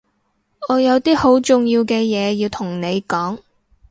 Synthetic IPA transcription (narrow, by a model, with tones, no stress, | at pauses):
ɔː˨˧jɐ˨˧wt̪iː˥ho˨˥wt͡sʊ˨˧ŋjiː˧wkɛː˧jɛː˨˧jiː˧wt̪ʰʊ˨˩ŋne˨˧jkɔː˨˥ŋ